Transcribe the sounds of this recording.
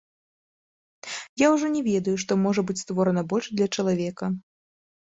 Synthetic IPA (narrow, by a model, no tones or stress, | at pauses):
jawʐɔnʲɛvʲɛd̪ɐjuʂt̪ɔmɔʐɐbɨt͡sʲst̪vɔɾɐnɐbɔlʲʂd̪lʲɐt͡ʂɐlˠavʲɛkɐ